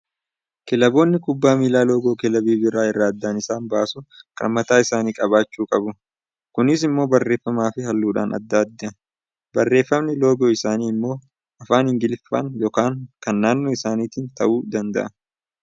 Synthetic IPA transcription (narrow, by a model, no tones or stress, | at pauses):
kɛlɐbo̞ːnːɪkʊbːaːmiːlaːlo̞ːɡoːkɛlɐbiːbɪɾaːɪrːaːɐd̪ːaːnɪsaːnbaːsʊkʼɐ̰mɐt̪aːɪsaːniːkʼɐβaːt͡ʃːuːkʼɐbʊ | kʊnɪs̬ɪmːo̞ːbɐrːe̞ːfːɐmaːfɪɦɐlːuːᶑa̰ːnʔɐ̰d̪ːaːd̪ːɐɐ | bɐrːe̞ːfːɐmnɪlo̞ːɡoːɪsaːniːɪmːo̞ː | ɐfaːnhɪŋɡɪlfa̰ŋjɔkaːŋkɐnːaːnːoːɪsaːniːt̪iːnt̪ɐ̰ʔuːd̪ɐnd̪ɐ̰ʔɐ